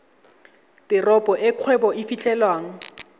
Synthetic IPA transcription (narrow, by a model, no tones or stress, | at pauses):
tɪrɔpʼɔʔɪkʰwɛbɔifit͡ɬʼɛlwaːŋ̩